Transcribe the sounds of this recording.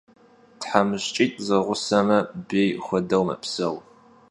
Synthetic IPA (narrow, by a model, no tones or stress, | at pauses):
tħamɨɕt͡ʃʼiːtʼzɐʁʷʊsɐmɐbeːjxʷɔdɐwmɐ̰psɐw